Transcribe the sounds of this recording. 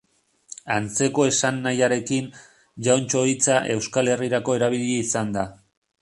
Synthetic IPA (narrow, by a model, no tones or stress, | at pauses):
ant͡se̞ko̞e̞sanːajaɾe̞kin | ʝawnt͡ʃo̞it͡saʔe̞wskale̞riɾako̞e̞ɾaβ̞iʎeisand̪a